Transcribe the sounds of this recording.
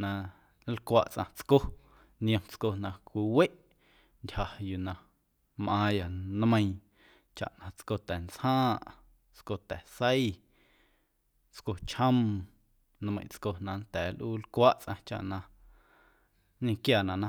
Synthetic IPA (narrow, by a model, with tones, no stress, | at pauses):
nã˧˦ | lkʷa̰ː˧ʔt͡sʔã̰˧t͡sko˦ | nj̃ə̃˧mt͡sko˧nã˧kʷi˧we˦ʔ | ndʲha˨ju˨nã˧ | mʔãː˧ja˨nmə̃˧j̃ | t͡ʃa̰˨ʔnã˧t͡sko˧t̪ɛ˨nt͡shãː˦ʔ | t͡sko˧t̪ɛ˨sə˦j | t͡sko˧t͡ʃə̃˦m | nmə̃˧˨j̃t͡sko˧nã˧nt̪ɛː˨lʔuː˦lkʷa˦ʔt͡sʔã̰˧t͡ʃa̰˨ʔnã˧ | ɲĩ˧kjaː˨nã˨nã˧